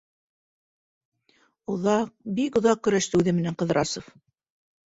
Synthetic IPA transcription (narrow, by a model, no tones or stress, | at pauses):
oðɑq̚bikŏðɑq̚kːɵ̆ɾæʃt̪ɘʉðɘmɘ̆næɴqɤ̆ðɾɑsof